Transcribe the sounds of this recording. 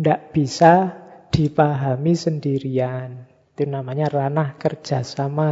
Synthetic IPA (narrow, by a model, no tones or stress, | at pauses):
ndaʔb̥isad̪̥i̤paɦamisəndiɾian | t̪unamaɲaranahkər̥ʒ̥a̤sama